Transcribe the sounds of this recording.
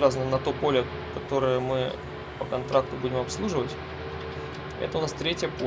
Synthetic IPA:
ɾaznənɐt̪o̞po̞lʲɪ | kɐt̪o̞ɾəjəmɨ | pəkɐnt̪ɾak̚t̪ʊbudʲɪmɐpslˠuʐɨvətʲ | ɛ̰t̪əʊnast̪ɾʲetʲjəpo

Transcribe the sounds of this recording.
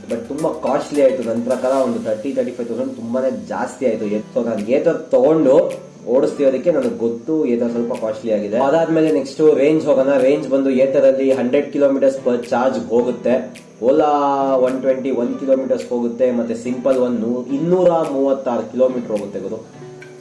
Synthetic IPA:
bɐʈ̚t̪umbɐkaːʃliaːjit̪unɐnt̪ɾɐkaːɾɐond̪ut̪ʰɐɾʈit̪ʰɐɾʈipʰɐjt̪ʰɐwsɐɳɖt̪umbane̞ːd͡ʒa̰ːst̪ijaːjit̪ueːsoːnaːnɡeːt̪ɐɾt̪ɔɡo̞ɳɖu | oːɽust̪iɾoːd̪ikːe̞nɐnuɡɡot̪ːuɛːt̪ɐɾɐs̬ɐlpɐkaːʃliaːɡid̪eɐd̪aːd̪meːleneksʈuɾe̞ːɲd͡ʒɦoːɡɐnɐɾeːɲd͡ʒbɐnd̪ueːt̪ɐɾɐlːiɦɐɳɖɾeɖ̚kiloːmiːʈɐɾspɐɾt͡ʃaːɾd͡ʒɦoːɡut̪ːe̞ | oːlaʋɐnʈʋeɳʈiʋɐnkiloːmiːʈɐɾsɦoːɡut̪ːe̞mɐt̪ːesimpɐlʋɐnuinːuːɾɐmuːʋɐt̪ːaːɾukilo̞ːmiːʈɐɾɦoːɡut̪ːebɐd̪u

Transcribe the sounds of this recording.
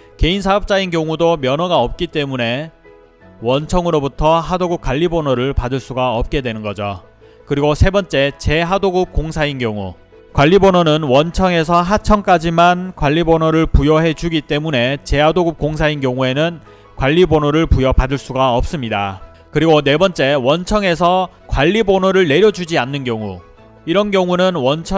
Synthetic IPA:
ke̞ins̬ʰaʌp̚t͡ɕ͈ainkjʌŋudomjʌnʌɡaʌp̚k͈it͈e̞mune̞ | wʌnt͡ɕʰʌŋɯɾobutʰʌɦadoɡup̚k͈waʎːibonʌɾɯɭpadɯɭs͈uɡaʌp̚k͈e̞dwe̞nɯnɡʌd͡ʑo | kɯɾiɡosʰe̞bʌnt͡ɕ͈e̞t͡ɕe̞ɦadoɡup̚k͈oŋsʰainkjʌŋu | kwaʎːibonʌnɯnwʌnt͡ɕʰʌŋe̞s̬ʰʌɦat͡ɕʰʌŋk͈ad͡ʑimankwaʎːibonoɾɯɭpujʌɦe̞d͡ʑuɡit͈e̞mune̞t͡ɕe̞ɦadoɡup̚k͈oŋs̬ʰainkjʌŋue̞nɯn | kwaʎːibonoɾɯɭpujʌpadɯɭs͈uɡaʌp̚s͈ɯmɲida | kɯɾiɡone̞bʌnt͡ɕ͈e̞wʌnt͡ɕʰʌŋe̞s̬ʰʌ | kwaʎːibonoɾɯɭne̞ɾjʌd͡ʑud͡ʑianːɯnɡjʌŋu | iɾʌnɡjʌŋunɯnwʌnt͡ɕʰʌ

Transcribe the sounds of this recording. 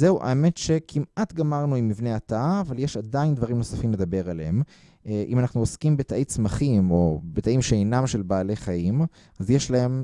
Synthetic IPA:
zeuʔa̰eme̞tʃe̞kʰimʔatɡamaʁnuimːivne̞ataːvaljeʃad̪aind̪vaʁimno̞safimle̞d̪abe̞ʁalem | ʔḭmanaχnuoskimbetaʔet͡smaχimo̞betaimʃeinamʃelbaːle̞χaim | azjeʃlahe̞m

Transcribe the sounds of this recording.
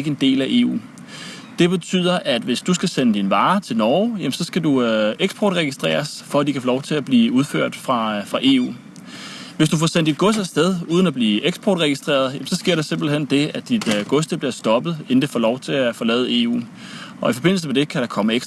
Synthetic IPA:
ɡəe̝nd̥e̝̰ːlæʔe̝̰ːṵː | d̥e̝b̥e̝t͡sʰy̰ð̞̰ˠɐʔæd̥ʋe̝sd̥usɡ̥æsenəd̥inʋɑ̈ːt͡sʰe̝lnɒːʊjæmsɒ̽sɡ̥ædueɡ̥sb̥ʰɒ̰ːd̥ʁɛɡ̥isd̥ʁḛːɐsfɒ̽ædd̥ikʰæfolɒʊt͡sʰe̝læb̥liːuð̞ˠføɐ̰d̥fʁɑ̈fʁɑ̈ʔe̝̰ṵː | ʋe̝sd̥ufɒsen̰d̥id̥̚ɡ̥ɔ̽sdæsd̥eð̞ˠuːð̞ˠən̩æb̥liːeɡ̥sb̥ʰɒ̰ːd̥ʁɛɡ̥isd̥ʁḛːɐð̩ˠjemsɒ̽sɡ̥e̝ɐ̰ɾ̥ɑ̈se̝mb̥l̩ɦend̥e̝æd̥id̥ɡ̥ɔ̽sd̥eb̥liɐsd̥ɒ̽b̥ð̞̩ˠend̥əfɒ̰ːlɒʊt͡sʰe̝æfɒ̽lɛ̰ːð̩ˠe̝̰ːṵː | ɒ̽ifɒ̽b̥e̝n̰l̩səmed̥e̝kʰæɾ̥ɑ̈kʰɒ̽məeɡ̥s

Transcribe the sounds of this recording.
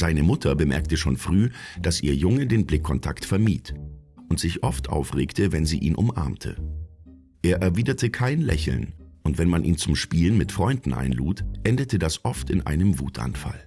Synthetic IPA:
z̥aɪnəmʊtʰɐbəmɛɐk̚təʃo̰ːnfʁ̥yːd̥asʔḭːɐjʊŋədeːnblɪkʰːɔntʰaktfɛɐmiːtʔʊntz̥ɪçʔɔftʔa̰ʊfʁeːktʰəvɛnziːʔḭːnʔʊmʔa̰ɐmtʰə̰ | ʔeːɐʔɛɐviːdɐtʰəkʰaɪnlɛ̰çl̩nʔʊntv̥ɛnmanʔiːnt͡sʊmʃpiːlənmɪtfʁ̥ɔʏndn̩ʔa̰ɪnluːtʔɛndətədasʔɔftɪnʔa̰ɪnəmvuːtʰʔa̰nfa̰l

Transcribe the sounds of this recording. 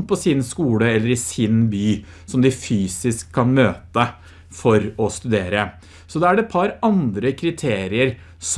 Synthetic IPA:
pɔsɪnskuːləɛlːəɾɪsɪnbyːsɔmd̪ɪfyːsɪskʰːɑnmøːt̪ə | fɔɾɔst̪ʉd̪eːɾə | sɔd̪ɛæɖɛpʰɑɾɑnd̪ɾəkʰɾɪt̪ʰeːɾɪəɾ | s

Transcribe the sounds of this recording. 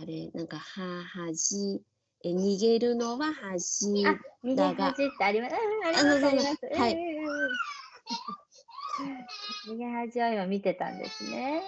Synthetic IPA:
aɾenãŋkahahaʑi | eɲʲiɡe̞ɾɯ̟no̞βahaʑiamʲiɡ̪eaɦɡaʑit̪ːeaɾʲimaɯɯ̃ːaɾinaaaaɾaimasɨaiɯːɯ̃ | ɲʲiɡe̞ɦaʑiβaiβamʲit̪e̞t̪ã̰nd̪e̞̰sɨne̞

